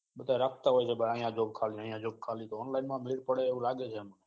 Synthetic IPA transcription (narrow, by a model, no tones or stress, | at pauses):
ɓət̪aeɾək̚t̪aːɦoet͡ʃʰeːɓəaːĩːãːd͡ʒoːb̚kʰaːlĩaːĩjãːd͡ʒoːb̚kʰaːlĩːt̪oːnlaːɪnmãːmiːɾpəɽeːɦulaːɠeːt͡ʃʰeːmə